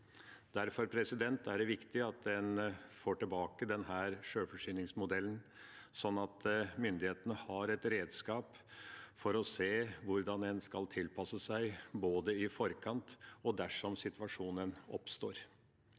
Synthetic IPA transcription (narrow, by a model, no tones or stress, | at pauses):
d̪̥æɾfɔɾpʰɾɛsɪd̪ɛnt̪æɖɛʋɪkt̪ɪɑt̪̚d̪ɛnfoːʈɪbɑːkəd̪ɛnɦæːɾʂøːfɔʂyːnɪŋsmʊd̪ɛlənsɔnːɑt̪mʏnd̪ɪheːt̪ənəhɑɾɛt̪ɾeːd̪skɑːp | fɔɾɔseːʋʊɾd̪ɑnɛnskɑlt̪ʰɪlpɑsəsæɪboːd̪əɪfɔɾkʰɑnt̪ɔd̪æʂɔmsɪt̪ʋɑʂuːnənɔpst̪oːɾ